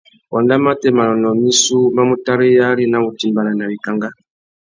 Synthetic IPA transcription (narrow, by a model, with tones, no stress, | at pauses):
wa˨nda˦ma˦tɛ˨ma˨lɔ˨nɔ˨mi˦su˦ma˦mu˨ta˦ɾi˦ja˦li˦na˦mu˨ti˨mba˨la˨na˨βi˨ka˨ŋɡa˦